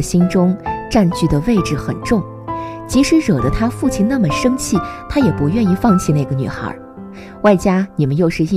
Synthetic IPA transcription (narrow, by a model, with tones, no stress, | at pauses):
ɕi˥nʈ͡ʂʊ˥ŋʈ͡ʂa˥˧nt͡ɕy˥˩d̪ə˩we˥˧ɪʈ͡ʂɻ̩˨˩xə̰˨˩nʈ͡ʂʊ˥˩ŋ | t͡ɕi˧˥ʂɻ̩˧˥ɻɤ˨˩d̪ə˦t̪ʰa˥fu˥˩t͡ɕʰi˧˥˩nna˥˩mə˩ʂɤ˥ŋt͡ɕʰi˥˩t̪ʰa˥jɛ˨˩pu˧˥jɥɛ˥˧ni˥˧fɑ˥˧ŋt͡ɕʰi˥˧na˥˩ɪɡə˩ny̰˨˩xə̰˧˥ | wa˥˩ɪt͡ɕja˥ni˨˩mə˦njo˥˧ʊʂɻ̩˥˧i˥˩